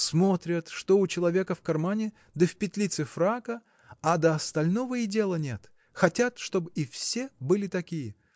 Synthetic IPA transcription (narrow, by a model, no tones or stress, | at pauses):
smo̞t̪ɾʲət̪ʂt̪o̞ʊt͡ɕɪlˠɐvʲe̞kəfkɐrmanʲɪ | d̪əfʲpʲɪt̪ʲlʲit̪sɨfɾakə | ad̪əɐst̪ɐlʲnovəɪdʲe̞lˠənʲe̞t̪ | xɐtʲat̪ʂt̪o̞bɨifsʲe̞bɨlʲɪt̪ɐkʲijə